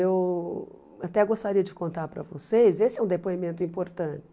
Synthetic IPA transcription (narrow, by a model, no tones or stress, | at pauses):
ew | at̪ɛɡost̪aɾiɐd͡ʒɪkõnt̪aɾpɾɐ̰vo̰sejzesɪɛũd̪epoimẽnt̪ʊĩpoɾt̪ɐ̃t͡ʃɪ̥